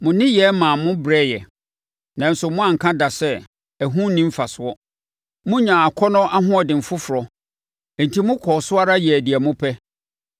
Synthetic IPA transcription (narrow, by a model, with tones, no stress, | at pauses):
mʊ̃˨nɪ̃˦jɛ˨˦mã˨mʊ̃˦bɾɛ˦jɛ˨ | nã˨n̩˨˦sʊ˨mʊ̃˦ã˨ŋ̩˨kʰã˦da˨sɛ˦ | æ˨ɦũ˦nĩ˦m̩˦fa˨sʊ˨ɔ˦ | mʊ̃˦ɲã˨a˨kʰɔ˦nʊ̃˦ʔa˦ɦʊ̃˦ɔ˨dɪ̃˨m̩˨fʊ˦fʊ˨ɾɔ˨ | n̩˨tʰi˦mʊ̃˦kʰɔː˨sʊ˦a˦ɾa˦jɛ˨æ˨di˨ɛ˨mʊ̃˦pʰɛ˦